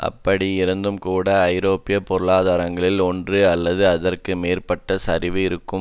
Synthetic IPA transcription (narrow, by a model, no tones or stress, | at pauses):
ʔɐ̰pːɐɽiɪɾɐnd̪ɯmkuːɽɐːɪɾoːpɪjɐpɔɾɯɭaːðaːɾɐŋɡɐɭɪlɔndrɯɐlːɐðɯɐðɐrkɯmeːrpɐʈːɐsɐɾɪʋɯɪɾɯkːɯ